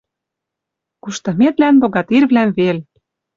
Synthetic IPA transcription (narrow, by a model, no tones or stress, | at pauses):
kuʃt̪ɤ̆met̪lænboɣɑt̪irβlæmvelʲ